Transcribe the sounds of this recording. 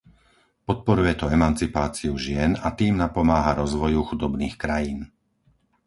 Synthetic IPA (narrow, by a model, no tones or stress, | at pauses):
pɔt̪̚pɔɾujɛt̪ɔɛmant͡sipaːt͡siuʒɪɛnat̪iːmnapɔmaːɦaɾɔzʋɔjuxud̪ɔbniːxkɾajiːn